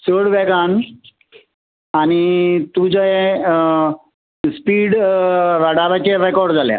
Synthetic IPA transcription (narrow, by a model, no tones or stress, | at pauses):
səɽʋɛɡan | añit̪ud͡ʑ | spiːɽʋaɽaʋat͡ɕeɾɛkɔɾɖd͡zalja̰